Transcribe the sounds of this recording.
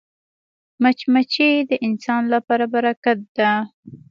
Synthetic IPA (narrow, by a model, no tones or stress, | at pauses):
mat͡ʃmat͡ʃed̪əʔɪnsɑnlapɑɾabaɾakat̪̚d̪a